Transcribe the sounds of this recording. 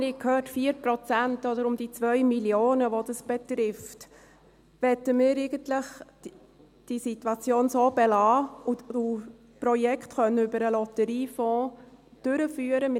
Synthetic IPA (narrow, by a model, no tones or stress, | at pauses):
nɪkʰøːtfiːəɾpɾɔt͡sæntɔd̪əɾʊmd̥it͡sʋœʏmiljoːnəʋod̥əsb̥ɛt̪ɾɪft | ʋɛtəmɪːɾeɪɡəntlɪχ | d̥isitwɑt͡sjoːnsoːbɛlɑːuu | pɾɔjɛkʰtχœnːəʏbəɾəlɔtəɾiːfɔ̃ːd̥ʏɾəfyːəɾəmɪ